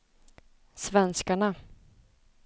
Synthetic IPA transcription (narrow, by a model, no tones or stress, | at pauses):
svɛnskaɳa